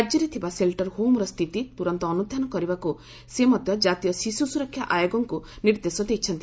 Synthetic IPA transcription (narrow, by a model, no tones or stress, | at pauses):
ad͡ʒɔɾit̪ʰibaselʈɔɾɦomɾɔst̪ʰit̪it̪uɾɔnt̪ɔːnud̪ʱjanɔkɔɾibaku | semɔd̪ʱjɔd͡ʒat̪ijɔsisusuɾɔkʰjaʔajoɡɔŋkuniɾd̪esɔd̪ekʰit͡ʃʰɔnt̪i